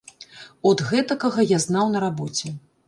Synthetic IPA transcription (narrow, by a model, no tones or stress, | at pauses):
ɔd̪ɣɛt̪ɐkɐɣɐjaznawnɐɾabɔt͡sʲɛ